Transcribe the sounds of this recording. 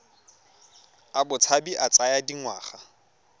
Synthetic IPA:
abʊt͡sʰabiʔat͡sʼajadiŋwa̰ːχa

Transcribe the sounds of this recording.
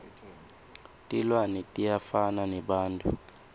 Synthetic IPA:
tʼilwanɛtʼijafananɛɓaːntʼu

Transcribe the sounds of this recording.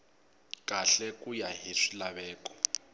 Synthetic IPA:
kʼaɬɛkujaɦiʂilaβɛːkɔ̥

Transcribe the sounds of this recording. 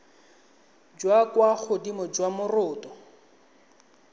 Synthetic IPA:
d͡ʒwakwaχʊdimɔd͡ʒwamʊrʊːtɔ

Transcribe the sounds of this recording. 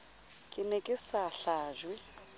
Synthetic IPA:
kʼɪnɛkʼɪsaɬaːʒwɛ

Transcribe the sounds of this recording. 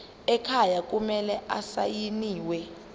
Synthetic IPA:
ɛkʰajak̬ʼumɛlɛʔasajiniːwɛ

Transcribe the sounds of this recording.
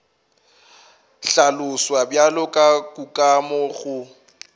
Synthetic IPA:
ɬalʊswabjalʊkʼakʼukʼamɔɣʊ

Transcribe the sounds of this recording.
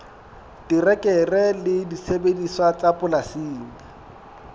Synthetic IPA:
tirɛkʼɛrɛlɪdisebediswat͡sʼapʼʊlasiːŋa

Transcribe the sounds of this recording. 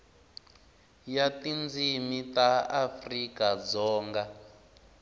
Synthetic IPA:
jatind͡zimitaafrikad͡zɔːŋɡa

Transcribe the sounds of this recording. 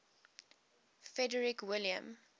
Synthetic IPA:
fɹɛdəɹikwɪljə̰̃m

